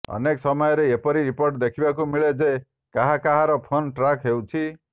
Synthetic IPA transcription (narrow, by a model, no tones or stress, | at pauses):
ʌ̰neksʌmʌjeɾeepʌɾiɾiporʈd̪ekʰibakomiɭed͡ze | kaɦakaɦaɾʌpʰonʈrakɦewt͡sʰi